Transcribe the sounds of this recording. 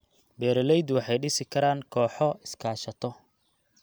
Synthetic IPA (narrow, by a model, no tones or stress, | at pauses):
bɛːɾɐlɛjd̪wɑħɑjɖɪsɪkʰɐɾaːŋkʰɔːħɔɪskʰaːʃɐt̪ʰɔ